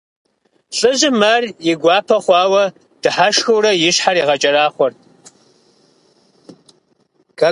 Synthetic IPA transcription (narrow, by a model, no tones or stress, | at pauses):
ɬʼɨʑɪmarjɪɡʷɑːpʰɐχʷɑːwɐ | d̥ɨħaʃxɨwrɐjɪɕħaɾiːʁɐt͡ʃʼɐraːχʷɔrt̚ʰ | kʰɐ